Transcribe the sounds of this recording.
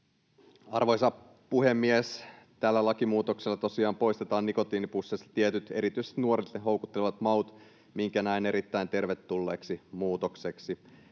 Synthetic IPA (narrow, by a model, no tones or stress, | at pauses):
ɑrʋojsɑ | puhe̞mːies | t̪ælːælɑkimuːt̪okselːɑt̪o̞siɑːmpo̞jst̪et̪ɑːnːiko̞t̪iːnipusːest̪iet̪yt̪e̞ɾit̪yjsest̪nuo̞ɾit̪eɦo̞wkut̪ːeleʋɑt̪mɑut̪ | miŋkænæine̞ɾit̪ːæjnt̪e̞rʋet̪ːulːḛːksimuːt̪okseksi